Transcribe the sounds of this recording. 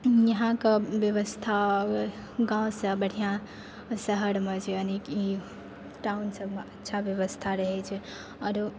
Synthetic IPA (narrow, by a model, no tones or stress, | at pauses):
jəɦãkəbjəβəst̪ʰa | ɡãwsə̃bəɽ̤ijã | səɦəɽmet͡ʃʰeəneki | ʈaunsəbmeətːʃʰabjəβəst̪ʰaɾəɦɛt͡ʃʰɛ | əɾu